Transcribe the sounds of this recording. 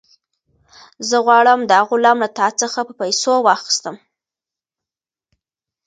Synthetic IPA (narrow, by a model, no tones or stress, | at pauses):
zəɣwɑɽəmd̪əhaɣolamlat̪ɑt͡səxapəpajsowɑxi̥st̪əm